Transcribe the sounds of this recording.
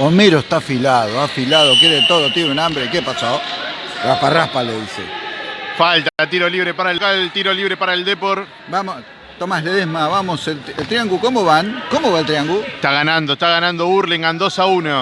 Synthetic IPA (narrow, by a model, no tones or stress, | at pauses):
omeɾoest̪afilaðoafilaðok̬jeɾet̪oðot̪iβunambɾekepasao | raparahpaleðisḛfalt̪aɾat̪̬iɾoliβɾepaɾaelkat̪iɾoliβɾepaɾaeld̪epoɾ | bamo | t̪omasleðesmaβamoselelt̪ɾijaŋɡukomoβankomoβaelt̪ɾiaŋɡue̥t̪aɣanand̪oest̪aɣanãnd̪ouɾleŋɡand̪osauno